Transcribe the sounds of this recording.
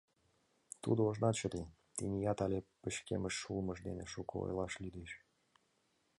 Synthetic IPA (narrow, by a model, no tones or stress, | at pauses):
t̪ṵd̪ooʒnɑt̪t͡ɕə̆t̪e | t̪inʲijɑt̪ɑlʲepəɕkḛməʃːulˠməʃd̪ḛneʃukəo̰jlɑʃlyd̪eʃ